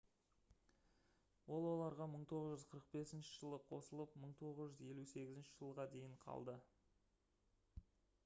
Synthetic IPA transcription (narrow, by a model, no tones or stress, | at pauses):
wo̞lˠwo̞lˠɑɾʁɑməɴt̪ʰo̞ʁəzʒʏzqʰəɾəq̚be̞sɪnʃɪʒəlˠəqʰo̞səlˠəpməɴt̪ʰo̞ʁəzʒʏzje̞luse̞ɡʲɪzɪnʃɪʒ̥əlˠʁɑd̪e̞jɪɴqʰɑ̰lˠd̪ə